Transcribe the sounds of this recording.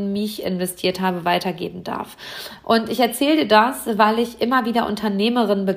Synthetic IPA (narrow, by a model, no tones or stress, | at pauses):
nmɪçɪ̰nvɛstʰiːɐthaːbəvaɪtʰɐɡḛːbm̩da̰ɐfʔʊntɪçɛɐt͡sɛːldiːɐdasvaɪlɪçʔɪmɐviːdɐʔʊ̰ntʰɐneːməʁ̞ɪnbə